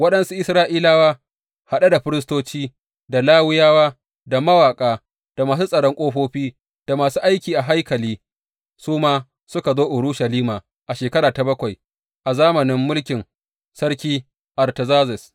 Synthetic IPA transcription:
wɐ˦ɗɐ˦nsu˦ʔɪ˦sɾaː˦ʔiː˦laː˦waː˦ | ha˨ɗa˦da˨ɸɪ˦ɾɪ˦s̬toː˦t͡ʃiː˦ | da˨laː˦wɪ˦jaː˦waː˦ | da˨mɐ˦waː˨kʼaː˦ | d̥a˨maː˨suː˦sʼɐ˨ɽɔ˦ŋkʷʼoː˦ɸoː˦ɸiː˦ | d̥a˨maː˨suː˦ʔa˦jkʲiː˨ʔa˨ɦa˦jkɐ˨liː˦ | suː˦maː˦ | sʊ˦ka˨zoː˦ʔʊ˨ɾuː˦ʃɐ˨liː˦maː˨ | ʔa˨ʃeː˨kɐ˦ɽaː˨ta˨bɐ˦kʷa˨j | ʔa˨zaː˦mɐ˨nɪ˦mːʊ˦lkʲɪ˨n | sɐ˦ɽkʲiː˦ | ʔɐ˨rtɐ˨zaː˦zɛ˨s

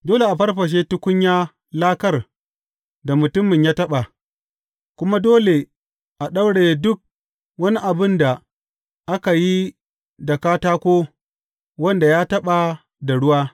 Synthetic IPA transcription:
doː˦le˨ʔa˨ɸɐ˦rɸɐ˨ʃ̬eː˦tʊ˦kʷʊ˦ɲjaː˦ | laː˦kɐ˦r | da˨mʊ˨tʊ˦mːɪ˨ɲjaː˦tɐ˦ɓa˨ | kʷʊ˦ma˦doː˦le˨ | ʔa˨ɗa˦wɽeː˨dʊ˦k̚ | wɐ˦ni˦ʔa˨bɪ˦nda˨ | ʔa˦ka˨ji˦ | dɐ˨kaː˦taː˦kʷoː˦ | wɐ˦nda˨jaː˦tɐ˦ɓa˨ | da˨ɽʊ˦waː˦

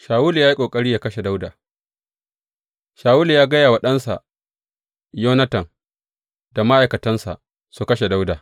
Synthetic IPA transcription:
ʃaː˨wuː˦lu˨jaː˦ji˦kʷʼoː˨kʼɐ˦ɾi˦jaː˨kɐ˦ʃe˨da˦wdaː˨ | ʃaː˨wuː˦lu˨jaː˦ɡɐ˦jaː˨wɐ˨ɗɐ˦nsa̰˨ʔ | joː˦nɐ˦tɐ˨ŋ | da˨ma˦ʔa˨jkɐ˨tɐ˦nsa̰˨ | su˨kɐ˦ʃe˨da˦wdaː˨

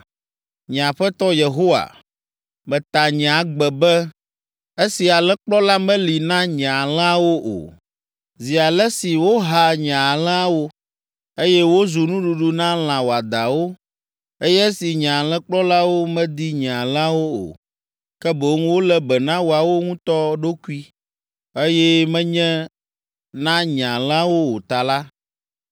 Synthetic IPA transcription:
ɲ˨ã˨ɸɛ˦t̪ɔ˦je˨ɦo˦wa̰˨ | mɛ̃˨t̪a˨ɲã˨ɡ͡bɛ˨bɛ˦ | e˦si˨a˨lɛ̃˦k͡plɔ˦la˦mɛ̃˦li˨nã˦ɲã˨l̃a˦wo˦ʔo̰˨ | zi˨a˨lɛ˦si˨wo˦ɦa˨ɲã˨lɛ̃˦a˦wo˦ | e˦jɛ˦wo˦zu˨nũ˦ɖu˨ɖu˦nã˦l̃ã˨wo˨a˨d̪a˨wo˦ | e˦jɛ˦si˨ɲã˨lɛ̃˦k͡plɔ˦la˦wo˦mɛ̃˦d̪i˦ɲã˨a˨lɛ̃˦a˦wo˦o̰˨ | kɛ˦bo˨˦ŋũ˦wo˦lɛ˦bɛ˨nã˦wo˨a˨wo˦ŋũ˦t̪ɔ˦ɖo˦ku˦i˦ | e˦jɛ˦mɛ̃˦ɲɛ̃˦ | nã˦ɲã˨lɛ̃˦a˦wo˦wo˨t̪a˨la˦

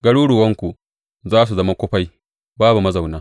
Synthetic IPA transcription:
ɡɐ˦ɽuː˦ɽʊ˨wɐ˦ŋkʷu˨ | zaː˦s̬u˨zɐ˦ma˦kʷʊ˦ɸa˦j | baː˦bu˨mɐ˦za˨wnaː˦

